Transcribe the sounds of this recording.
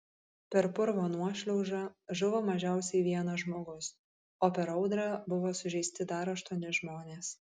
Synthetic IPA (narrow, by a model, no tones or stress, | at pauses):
pʲɛɾpʊɾʋoːnuɔʃʲlʲɛʊʒɑːʒʊʋoːmɐʒʲæˑʊsʲɛɪʋʲiɛnɐʒmoːɡʊs | oːpʲɛɾɒʊd̪ɾɑːbʊʋoːsʊʒʲɛɪsʲt̪ʲɪd̪ɐɾɐʃt̪uɔnʲɪʒmoːnʲeːs